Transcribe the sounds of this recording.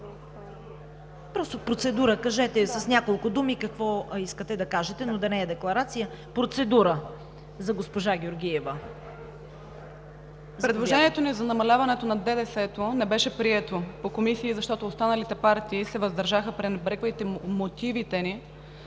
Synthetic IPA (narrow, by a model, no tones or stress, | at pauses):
pɾɔst̪opɾot̪sɛd̪uɾəkɐʒɛt̪ɛsɐsnʲakolˠkʊd̪umikɐkvɔiskət̪ɛd̪ɐkaʒɛt̪ɛnod̪ɐnɛːd̪ɛklˠɐɾat̪sijə | pɾot̪sɛd̪uɾə | zɐɡospoʒaɡʲjoɾɡ̟ʲiɛvə | zpɾɛd̪loʒɛniɛt̪onizɐnɐmɐlʲavɐnɛt̪onɐd̪ɛd̪ɛsɛt̪onɛbɛʃɛpɾiɛt̪opokomisiːzɐʃt̪ɔt̪oːst̪anɐlit̪ɛpaɾt̪iːsɛvɐzd̪ɐɾʒaxəpɾinbɾɛkvəit̪ɛmot̪ivit̪ɛni